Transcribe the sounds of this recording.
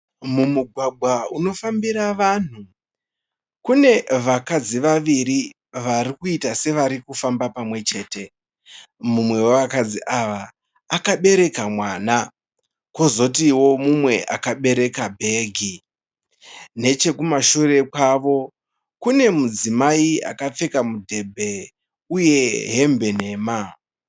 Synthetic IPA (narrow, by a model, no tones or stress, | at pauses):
mumuɡʱwaɡʱwauno̞fambiɾaʋan̤u | kune̞ʋakad͡ziʋaʋiɾi | ʋaɾikuitase̞ʋaɾikufambapamwe̞t͡ʃe̞ːte̞ | mumwe̞woʋakad͡ziʔaʋaː | kaɓe̞ɾe̞kamwaːna | kozo̞t̬iwo̞mumwe̞ʔa̰kaɓe̞ɾe̞kabʱe̞ːɡʱi | ne̞t͡ʃe̞kumaʃure̞kwaʋo̞ | kune̞mud͡zimaia̰kap͡fe̞kamudʱe̞bʱe̞ | uje̞ɦe̞mbe̞ne̞ːma